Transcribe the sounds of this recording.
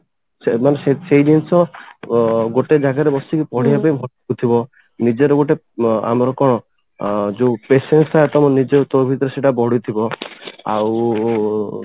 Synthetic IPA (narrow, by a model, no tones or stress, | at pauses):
semanesesed͡ʒinsɔ | ɡoʈed͡ʒaɡaɾebɔst̪ikipɔɽ̤ijapaimʱɔ | ut̪ʰibɔ | nid͡ʒeɾɔɡoʈe | a̰mɔɾɔkɔɽ̃ɔ | d͡ʒepesensaat̪ɔmɔnid͡ʒet̪ɔɾbʱit̪ɔɾɔseʈabɔɽut̪ʰibɔa̰w